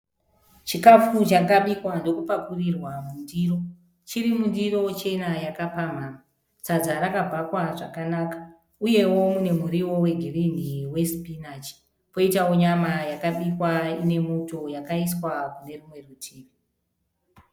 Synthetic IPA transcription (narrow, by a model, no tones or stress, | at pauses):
t͡ʃikafut͡ʃakaɓikwando̞kupakurirwamundiro̞ | t͡ʃiɾimundiro̞t͡ʃe̞najakapam̤aːma | t͡sad͡zaɾakabʱakwaʐakanakḁ | uje̞wo̞mune̞m̤uɾiwo̞we̞ɡʱiriniwe̞spinat͡ʃi̥ | po̞itao̞ɲamajakaɓikwaine̞moto̞jakaiswakune̞rumwe̞rutʰiːni